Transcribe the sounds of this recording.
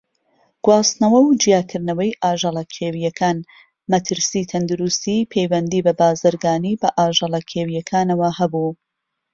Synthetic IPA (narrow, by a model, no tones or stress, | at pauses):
ɡ̥wɑːsnɐwɐwd͡ʒijaːkʰɨɾnɐwɐjʔaːʒɐlˠɐkʲʰeːwijɐkʰaːn | mɐt̪ʰɨɾsiːt̪ʰɐnd̪uɾust̪iːpʰejwɛnd̪iːbɐbaːzɨɾɡaːniːbɐʔaːʒɐlˠɐkʰeːwijɐkʰaːnɐwɐhɐbuː